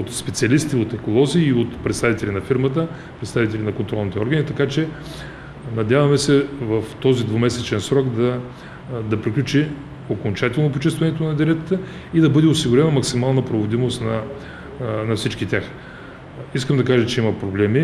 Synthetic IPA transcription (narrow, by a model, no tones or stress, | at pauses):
ot̪spɛt̪siɐlist̪iot̪ɛkolˠɔziːot̪pɾɛt̪st̪avit̪ɛlʲinɐfiɾmət̪̬ə | pɾɛt̪st̪avit̪ɛlʲinɐkont̪ɾɔlˠnit̪ɛɔɾɡənit̪ɐkat͡ʃɛ | nɐd̪ʲjavɐmɛsɛvəft̪ɔzid̪vomɛsɛt͡ʃɛnsɾɔkd̪ɐ | d̪ɐpɾiklʲut͡ʃi | okont͡ʃat̪ɛlˠnopot͡ʃɛst̪vɐnɛt̪onɐd̪iɾɛt̪ət̪ə | id̪ɐbɤd̪ɛosiɡʊɾɛnɐmɐksimalˠnəpɾovod̪imost̪nɐ | nɐfsit͡ʃkit̪ʲjax | iskəmd̪ɐkaʒət͡ʃɛimɐpɾoblɛmi